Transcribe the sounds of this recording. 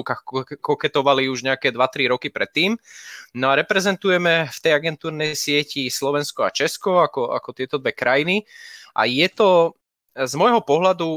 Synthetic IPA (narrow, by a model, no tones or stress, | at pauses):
kaxkɔkɛt̪ɔʋaliuʒɲɛakɛːd̪ʋat̪ɾiɾɔkipɾɛt̪ːiːmnɔaɾɛpɾɛzɛnt̪ujɛmɛft̪ɛjaɡɛnt̪uːɾnɛjjsɪɛcislɔʋɛnskɔa̰t͡ʃɛskɔakɔa̰kɔt̪ɪɛt̪ɔd̪ʋɛkɾajiniʔa̰jɛt̪ɔ | zmɔjɦɔpɔɦlad̪u